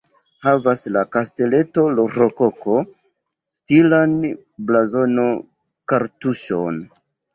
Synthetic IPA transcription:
havaslakaste̞le̞to̞loɾokokʰo̞ | stilan | blazo̞no̞ | kaɾtuʃon

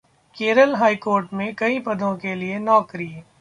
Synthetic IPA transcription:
keːɾəlɦaːikoːɾʈmẽkɐipɐd̪ʱõkelienɔːkɾi

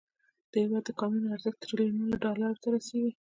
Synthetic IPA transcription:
d̪̥əhɪwɑd̪ːəkɑmunaɾzəkt̪əɾlenulaɖɑlaɾot̪aɾaseɡi

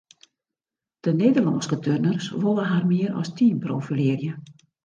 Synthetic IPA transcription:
d̥əneːdərlɔnskətʰørnərsʋolˠəɦarmɪəɾʔɔ̰stʰiːnproːfileərjə

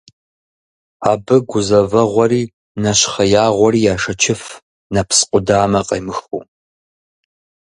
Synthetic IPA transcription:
aːbɨɡʷʊzɐvɐʁʷɔɾiː | nɐɕχɐjaːʁʷɔriːjaːʂɐt͡ʃʰɪf | nɐpʰsqʷʼʊdaːmɐqʼɐjmɨxṵː

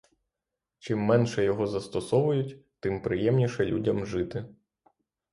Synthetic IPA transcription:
t͡ʃɪmːɛnʃɛjɔɦɔzɐst̪ɔsɔʋʊjʊtʲt̪ɪmpɾɪjɛmnʲiʃɛlʲudʲɐmʒɪt̪ɪ

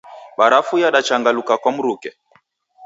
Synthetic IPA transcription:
ɓaɾafujaɗat͡ʃaŋɡalukakwam̩ɾukɛ

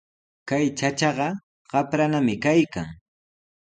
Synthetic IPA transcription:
kajt͡ʃat͡ʃɑɢɑ | ɢ̥ɑpɾanamɪkajka̰ŋ

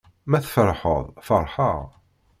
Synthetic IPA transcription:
mæθfəɾħə̰ðˤfɑɾˤħə

